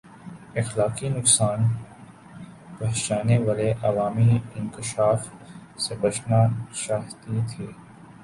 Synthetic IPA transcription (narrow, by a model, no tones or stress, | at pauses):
ɪxlaːkinʊksaːn | pɐɦt͡ʃaːneʋaːleʔɐʋaːmiɪ̃nkɪʃaːfsebɐt͡ʃnat͡ʃaːɦt̪it̪ʰiː